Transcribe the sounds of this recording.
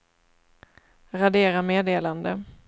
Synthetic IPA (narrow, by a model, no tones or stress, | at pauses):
ɾad̪eːɾameːd̪eːland̪ə